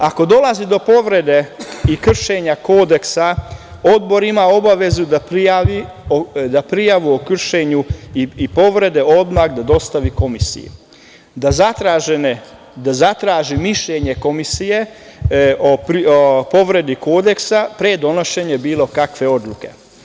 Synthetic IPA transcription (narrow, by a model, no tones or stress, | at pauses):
ako̞d̪o̞lazid̪o̞po̞ʋɾed̪eikr̩ʃe̞ɲako̞ːd̪e̞ksa | o̞d̪bo̞ɾimao̞baʋe̞zud̪apiaʋi | od̪apɾijaʋuokr̩ʃe̞ɲuiipo̞ʋɾe̞d̪e̞o̞d̪maɣd̪ad̪o̞st̪aʋiko̞misḭjṵ | d̪azat̪ɾaʒen | d̪azat̪ɾaːʒimiʃʎeɲe̞ko̞misije | o | po̞ʋɾe̞d̪iko̞ːd̪e̞ksapɾed̪o̞no̞ʃe̞ɲebiːlˠo̞kakʋe̞o̞d̪luke̞̰